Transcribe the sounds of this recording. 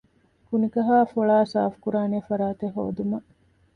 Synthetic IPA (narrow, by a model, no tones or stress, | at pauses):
kunikɐɦaːfoɭaːsa̰ːfkuɾaːneːfɐɾaːt̪eɦo̰ːd̪umɐ